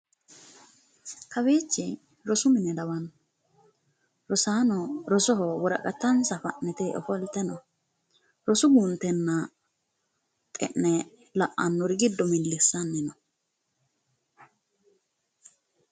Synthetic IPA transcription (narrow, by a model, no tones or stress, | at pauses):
kɐbe̞ːt͡ʃːɪ | ɾɔsʊmɪnɛd̪ɐwɐnɔ | ɾɔsaːnɔɾɔsɔɦɔwɔɾɐ̰kʼɐt̪ːɐnsɐfɐ̰ʔnɛt̪eːʔɔ̰fɔlt̪ːɛnɔ | ɾɔsʊɡunt̪ɛnːɐ | t̪ʼɛ̰ʔnɛ | lɐʔɐnːɔɾɪɡɪd̪ːɔmɪlːɪsːɐnːɪnɔ